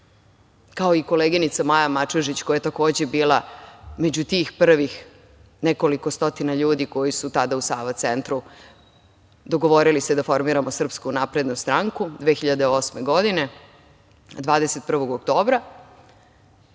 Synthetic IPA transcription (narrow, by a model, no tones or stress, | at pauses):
kao̞iko̞leːɡinit̪samajamat͡ʃoʒit͡ɕko̞jajet̪ako̞ːd͡ʑe̞biːlˠame̞d͡ʑut̪iːxpr̩ʋix | neko̞likost̪o̞t̪inaʎuːd̪iko̞jisut̪ad̪ausaːʋat̪sent̪ɾu | d̪o̞ɡo̞ʋo̞ɾilist̪ed̪afo̞ɾmiɾamosr̩pskunapɾe̞d̪nust̪ɾaŋkud̪ʋe̞ːxiʎad̪eo̞smeɡo̞d̪ine̞ | d̪ʋaːd̪eset̪̚pr̩ʋo̞ɡok̚t̪o̞ːbɾa